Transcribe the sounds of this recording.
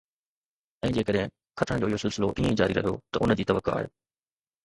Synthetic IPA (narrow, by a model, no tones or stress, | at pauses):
ɛ̃ːd͡ʑeːkəɗɦẽ | kʰɐʈʰə̃ɽ̃d͡ʑoːɪjoːsɪlsɪloʔiːẽd͡ʑaːɾiɾɐ̰ɦijo̰t̪ɐʊnd͡ʑiːt̪ɐʋəkːoa̰ːɦḛː